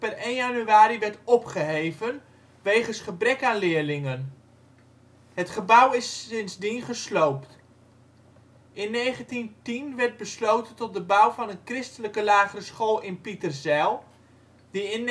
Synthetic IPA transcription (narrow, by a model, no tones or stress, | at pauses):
pɛrejnjanyaːɾiʋɛɹtɔpχəɦejvən | ʋejχənsχəbrɛkaːnlɪːɹlɪŋən | ɦətχəbʌwɪsɪnzdinχəslowpt | ʔɪnːejχəntintinʋɛrt̚bəslowtəntɔt̚dəbawvɑnənkrɪstələkəlaːχərəsχolˠɪnpitərzɛlˠ | diɪn